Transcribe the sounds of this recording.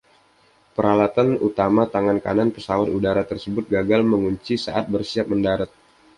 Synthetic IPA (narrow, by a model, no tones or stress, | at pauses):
pəɾalat̪anut̪amat̪aŋankananpəsawat̪udaɾat̪ərsəbʊt̪̚ɡaɡalməŋuɲt͡ʃisa̰ʔat̪̚bərsiap̚məndaɾat̪̚